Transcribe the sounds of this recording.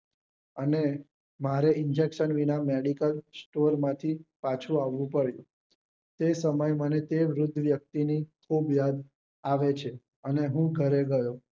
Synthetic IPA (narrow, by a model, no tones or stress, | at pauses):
əne | maɾeɪnd͡ʒekʃənʋinameɽikəlsʈoɾmãt̪ʰipat͡ʃʰũaʋːũpəɽjṵ̃ | t̪esəməjmənet̪eʋɾʊd̪ʱːəʋjək̚t̪inikʰobjad̪ | aʋet͡ʃʰe | əneɦũɡʱəɾeɡəjõ